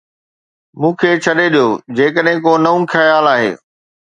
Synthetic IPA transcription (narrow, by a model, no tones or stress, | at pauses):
mũːkʰeːt͡ɕʰɐɗeɗijod͡ʑeːkəɗɦɪ̃koːnɐũkʰɐjaːlaːɦḛː